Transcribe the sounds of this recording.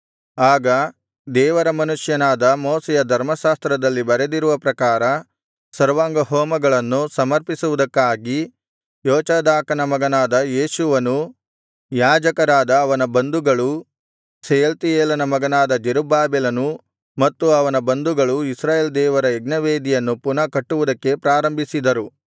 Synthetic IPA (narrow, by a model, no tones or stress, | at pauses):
aːɡɐ | d̪ɛːʋɐɾɐmɐnuʂjɐnaːd̪ɐmoːsɛjɐd̪ʱɐɾmɐʃaːst̪ɾɐd̪ɐlːibɐɾed̪iɾuʋɐpɾɐkaːɾɐ | sɐɾʋaːŋɡɐɦɔːmɐɡɐɭɐnːusɐmɐɾpisuʋud̪ɐkːaːɡi | jɔːt͡ʃɐd̪aːkɐnɐmɐɡɐnaːd̪ɐjeːʃuʋɐnu | jaːd͡ʒɐkɐɾaːd̪ɐːʋɐnɐbɐnd̪uɡɐɭu | sejɐlt̪ijeːlɐnɐmɐɡɐnaːd̪ɐd͡ʒeɾubaːbɛlɐnu | mɐt̪ːuɐʋɐnɐbɐnd̪uɡɐɭuisɾaːjeːld̪ɛːʋɐɾɐeɡnɐʋeːd̪ijɐnːupunɐkɐʈːuʋud̪ɐkːe̞pɾaːɾɐmbʱisid̪ɐɾu